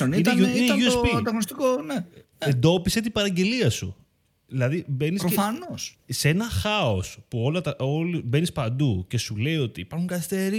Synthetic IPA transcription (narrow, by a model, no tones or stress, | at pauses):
oniinuineʝuespid̪ɐɣonost̪ikone | end̪o̞piset̪ibɐɾɐɟe̞liɐsṵ | ðilɐðibe̞nissɾofɐnossenɐxɐo̞spuo̞lɐt̪ɐʔolube̞nispɐnd̪uce̞sule̞io̞t̪iːpɐɾxuŋɡɐθist̪eɾi